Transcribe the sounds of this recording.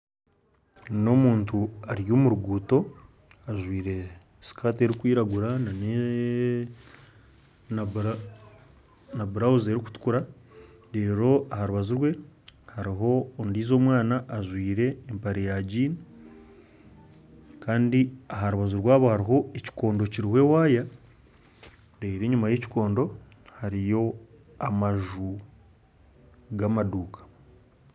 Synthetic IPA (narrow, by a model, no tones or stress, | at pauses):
no̞muːntuaɾjoːmuɾuɡuːto̞ | aʒwiːɾe̞ | si̥kaːt̬e̞ɾikwiːɾaɡuɾanane | na | naβuɾauzeɾiku̥tu̥kuɾa | ɾe̞ːɾo̞ahaɾuβazuɾwe̞haɾiɦo̞ːndiːzo̞ːmwaːnaʔːʒwiːɾe̞ːmpaɾejaɟiːni | kaːndiaɦaɾuβazuɾwaːβohaɾiɦo̞eci̥ko̞ːndo̞ciɾihwe̞waːja | ɾeiɾe̞ːɲumaje̞ci̥ko̞ːndo̞ | haɾijo̞ | amaʒu | ɡamaduːkḁ